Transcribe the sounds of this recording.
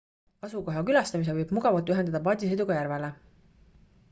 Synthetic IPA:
ɑsuko̞ɦjɑkylɑst̪ɑmis̬evɤjb̥muɡ̥ɑvɑlt̪ːˑyɦend̪ɑd̪̥ɑpɑːd̪ʲised̪uɡ̥ɑjæɾvele

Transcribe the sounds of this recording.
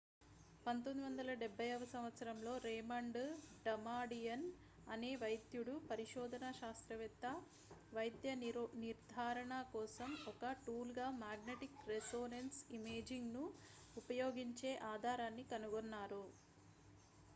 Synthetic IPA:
pɐnt̪ond̪iʋɐnd̪ɐlɐɖɛbʱːɐjɐʋɐsɐmʋɐt̪sɐɾɐmlo̞ːɾeːmɐɳɖɖɐmaːɖijɐn | ɐne̞ːʋɐjd̪juɽupɐɾiʃɔːd̪ʱɐnaʃaːst̪ɾɐʋɛt̪ːɐ | ʋɐjd̪jɐniɾd̪ʱaːɾɐɳɐkɔːsɐmɔkɐʈuːlɡaːmaːɡneʈikɾesoːnensimeːd͡ʒiŋɡnu | upɐjoːɡiɲt͡ʃe̞ːʔaːd̪ʱaːɾaːnːikɐnuɡɔnːaːɾu

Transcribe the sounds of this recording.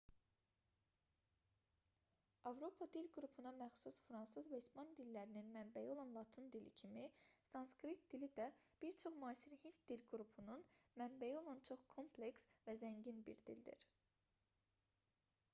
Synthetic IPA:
ɑvɾo̞pʰɑd̪ilɡɾupʰunɑmæxsusfɾɑnsɯzvæispɑnd̪ilːæɾininmæmbæjio̞lˠɑnlˠɑt̪ʰind̪ilḭcʰimisɑnskɾit̪̚d̪ilid̪æb̥iɾt͡ʃʰo̞χmuɑːsiɾhint̪̚d̪ilɡɾupʰununmæmbæjiolˠɑnt͡ʃʰo̞χkʰo̞mpʰle̞ksvæzæɲɟinbḭɾd̪ḭld̪ḭɾ

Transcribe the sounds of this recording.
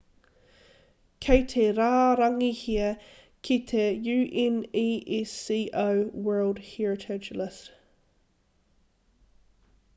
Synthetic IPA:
kʰeɪt̪ʰeɾaːɾaŋihiə | kʰit̪ʰejʉːʔɛniːʔisiːʔowwɜːlˠd̥hiɹətʰɛt͡ʃələs

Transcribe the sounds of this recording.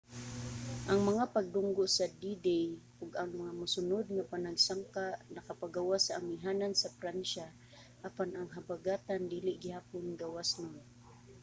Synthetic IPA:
ʔaŋmaŋapaɡ̚d̪ʊŋɡoʔsad̪id̪ejʔʊɡaŋmaŋamʊsʊnʊd̪̚ŋapanaɡsaŋkaʔnakapaɡawasaaŋmiɦaːnansapɾanʃa | ʔapanaŋɦabaɡaːt̪and̪iːlɪʔɡɪhaːpʊnɡawasnon

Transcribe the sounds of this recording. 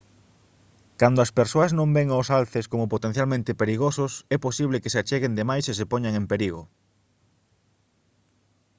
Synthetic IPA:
kand̪oɐspeɾsoɐznõmbɛŋaʊsalθeskomopot̪ẽn̟θjalmẽnt̪ɪpeɾiɣosʊsɛposiβ̞lekeseat͡ʃeɣend̪emajses̬epoɲaŋempeɾiɣo

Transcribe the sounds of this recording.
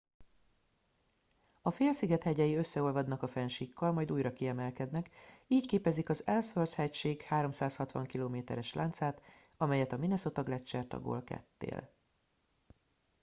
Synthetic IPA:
ɒfeːlsiɡɛt̪hɛɟɛjiøsːɛo̞lvɒd̪nɒkɒfɛnʃiːkːɒlmɒjd̪uːjɾɒkiɛmɛlkɛd̪nɛkiːckeːpɛzikɒzɛlsʋølshɛcʃeːkhaːɾo̞msaːshɒt̪ʋɒŋkiloːmeːt̪ɛ̰ɾɛʃlʔa̰ːnt̪saːt̪ | ɒmɛjɛt̪ɒminɛso̞t̪ɒɡlɛt͡ʃːɛrt̪ɒ̰ɡo̰lkɛ̰t̪ːḛːl

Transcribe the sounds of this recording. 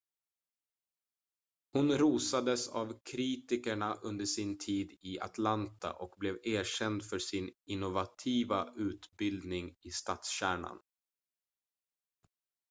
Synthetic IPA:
hʊnɾuːsad̪əsa̰vkʰɾiːt̪ɪkəɳaʔɵnd̪əʂɪnt̪ʰiːd̪ɪa̰t̪lant̪a̰ʔɔkblɛveːɕɛnd̪fœʂɪnɪnːʊvat̪ʰiːvaʉ̟ːt̪bɪld̪nɪŋɪst̪aːt̪sɕæːɳa̰n

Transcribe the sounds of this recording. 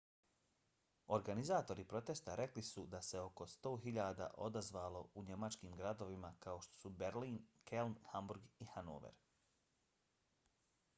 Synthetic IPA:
o̞ɾɡanizaːt̪o̞ɾipɾo̞t̪est̪aɾʔe̞klisud̪ase̞o̞ko̞st̪o̞ːɦiʎaːd̪a̰ʔo̞d̪azʋaːlˠo̞uɲe̞mat͡ʃkiːmɡɾad̪o̞ʋimakaoʃt̪o̞̥subeɾliːnkʰelnhambuɾɡixano̰ːʋḛɾ

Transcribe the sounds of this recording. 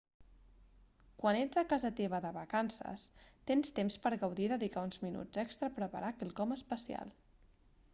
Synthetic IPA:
kwaned͡zəkazət̪eβ̞əðəβəkansə̰st̪enst̪emspəɾɣəwðiðəðikaunzminṵd͡zəkst̪ɾəpɾəpə̰ɾʔakelˠkɔməspəsia̰lˠ

